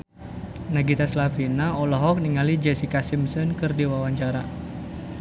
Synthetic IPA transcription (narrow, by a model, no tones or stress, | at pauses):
naɡit̪aslafinaɔlɔɦɔk̚niŋalid͡ʒɛsikasimsɔnkɨrdiwawaɲt͡ʃaɾa